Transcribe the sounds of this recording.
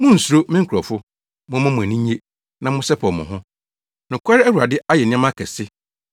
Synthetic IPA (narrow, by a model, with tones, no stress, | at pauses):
mʊ̃˦n̩˨su˨ɾo˦mɪ̃˦ŋ̩˦kʰɔ˨fʊ˦ | mʊ̃˦mʊ̃˦mʊ̃˨æ˨nĩ˦ɲ˦e˦ | nã˨mʊ̃˦sɛ˦pʰɔ˨mʊ̰̃˨ɦʊ̃˦ | nʊ̃˨kʷʰa˦ɾɪ˦æ˦wu˨ɾa˨dɪ˦a˦jɛ˨nɪ̃˦ã˦mã˦kʰɛ˨sɪ˦